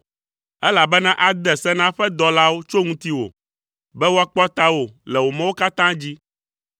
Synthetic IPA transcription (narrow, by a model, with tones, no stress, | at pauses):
ɛ˦la˨bɛ˦nã˦ʔa˦d̪ɛ˨sɛ˦nã˦ɸɛ˦d̪ɔ˨la˦wo˦t͡ʃo˦ŋũ˦t̪i˦wo̰˨ | bɛ˦wo˦a˦k͡pɔ˦t̪a˦wo˦lɛ˨wo˨mɛ̃˦wo˦ka˦t̪ã˦d͡ʑi˦